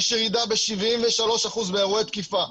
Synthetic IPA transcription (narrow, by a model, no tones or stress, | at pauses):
ʃeʁid̪abe̞ʃivimveʃalo̞ʃaχuzbeaʁuet̪kifa